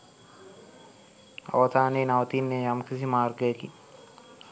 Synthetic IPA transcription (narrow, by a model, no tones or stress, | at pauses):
a̰ʋɐt̪aːneːnaʋət̪iːnːejamkisimaːrɡəjəki